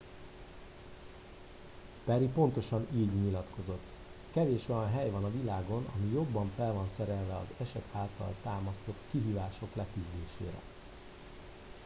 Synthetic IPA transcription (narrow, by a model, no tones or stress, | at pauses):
pɛɾipo̞n̪t̪o̞ʃɒniːɟɲilɒt̪ko̞zo̞t̪ː | kɛveːʃo̞jɒnɦɛjvɒnɒvilaːɡo̞nɒ̰mijo̞bːɒɱfɛlvɒnsɛɾɛlvɛɒ̰zɛʃɛt̪ʰaːlt̪ɒ̰lt̪aːmɒst̪o̞t̪kiɦiːvaːʃo̞klɛkyzd̪eːʃḛːɾɛ̰